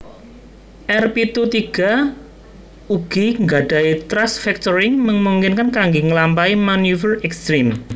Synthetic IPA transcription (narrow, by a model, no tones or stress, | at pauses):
ʔɛrpit̪ut̪iɡ̥a̤ | uɡ̥iŋɡaɖ̥a̤it̪ɾasfɛk̚t̪ɔɾɪŋməŋmuŋkɪnkankaŋɡeŋəlampaimanufərɛkst̪ɾim